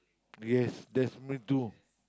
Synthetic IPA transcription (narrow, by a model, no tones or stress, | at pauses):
jɛsdɛtsmitu